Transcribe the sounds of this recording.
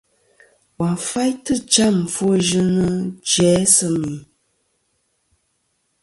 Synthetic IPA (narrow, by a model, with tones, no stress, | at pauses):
wa˨fa˦jtɨ˦t͡ʃa˦˨m̩˨fu˦o˦ʒɨ˦nə˦d͡ʒɛː˨˦sɨ˦mi˨